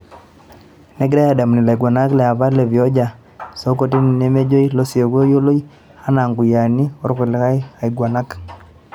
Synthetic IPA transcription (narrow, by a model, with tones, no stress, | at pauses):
ne˦ɡɪ˦ɾa˦ja˨da˨mni˨la˨i˨ɡwa˨na˦klɛ˨a˨βa˦le˨vjɔ˦d͡ʒa˨ | so˦ko˦ti˦n˨ne˦me˦d͡ʒo˦i˦lo˦sjo˨ko˦jo˦lo˦j | a˦na˨ŋɡu˨ja˨ni˦ɔ˦ɾkʊ˨lɪ˦ka˦ja˨i˨ɡwa˨na˦k